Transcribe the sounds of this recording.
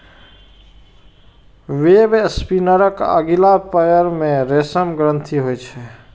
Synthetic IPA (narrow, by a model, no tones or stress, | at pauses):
ʋebspinəɾəkə̰ɡilapəjəɾmẽɾesəmɡɾə̃nt̪ʰiɦojt͡ʃʰɛ